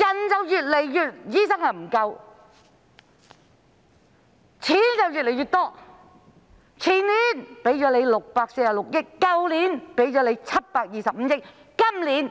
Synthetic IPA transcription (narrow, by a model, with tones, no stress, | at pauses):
jɐ˨˩nt͡sɐ˨wjyː˨t̚le˨˩jjyː˨t̚jiː˨˥sɐ˥ŋhɐ˨˩m̩˨˩kɐ˧w | t͡sʰiː˨˥nt͡sɐ˨wjyː˨t̚le˨˩jɥyː˨t̪̚ɔː˥ | t͡sʰiː˨˩nliː˨˥npe˨˥jt͡ʃɔː˨˥le˨˧jlʊ˨k̚paː˧k̚se˧jaː˨˩lʊ˨k̚jɪ˥kːɐ˧wliː˨˥npe˨˥jt͡ʃɔː˨˧˥le˨˧jt͡sʰɐ˥t̚paː˧k̚jiː˨˩sɐ˨p̚m̩˨˦jɪ˥kː | ɐ˥mliː˨˥n